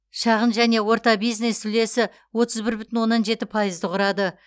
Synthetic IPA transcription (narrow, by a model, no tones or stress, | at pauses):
ʃɑʁənʒæne̞wo̞ɾt̪ɑbijzne̞st̪ʰʏle̞sɪ | wo̞t̪əzbɪɾbʏt̪ɪnwo̞nːɑnʒe̞t̪ɪpʰɑjəzd̪əqʰʊɾɑd̪ə